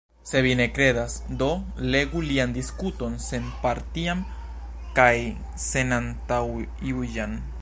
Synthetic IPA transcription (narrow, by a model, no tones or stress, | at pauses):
se̞βinekɾe̞ðasd̪o̞leɡuliand̪iskut̪o̞nsenpaɾt̪iam | kaj | senant̪aiujan